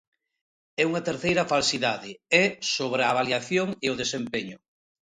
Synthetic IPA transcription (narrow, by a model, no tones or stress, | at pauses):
ɛuŋɐt̪eɾθejɾɐfalsiðaðɪɛsoβɾeaβaljaθjoŋeʊðesempeɲʊ